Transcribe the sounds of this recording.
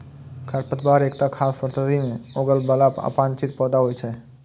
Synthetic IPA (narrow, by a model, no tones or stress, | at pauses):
kʰəɾpət̪baːɾeːkt̪akʰaːspəɾsəd̪imẽoːɡəlbəlaːpa̰ːpãːnt͡ʃɪt̪̚pɔːd̪aɦoːit͡ʃʰɛː